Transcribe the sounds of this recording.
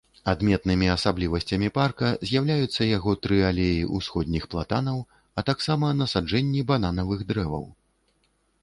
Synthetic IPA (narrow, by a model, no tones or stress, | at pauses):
ad̪mʲɛt̪nɨmʲiɐsablʲivɐsʲt͡sʲɐmʲiparkɐzʲjawlʲajut̪sːɐjaɣɔt̪ɾɨalʲejiʔusxɔd̪ʲnʲixplˠat̪anɐw | ɐt̪aksamɐnɐsad͡ʐɛnʲːiban̪anɐvɨɣd̪ɾɛvɐ̰w